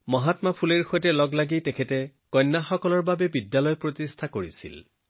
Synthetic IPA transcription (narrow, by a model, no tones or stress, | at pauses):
mɔɦatmapʰuleɹxojtɛlɔɡlaɡitɛkʰɛtɛ | kɔjnːaxɔkɔlɔɹbabɛbidːalɔjpɹotistʰakoɹisḭl